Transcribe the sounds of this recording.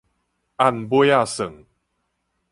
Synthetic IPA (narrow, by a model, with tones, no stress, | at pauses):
ʔa˥˧˨nbwa˥˧˨sə˨˩ŋ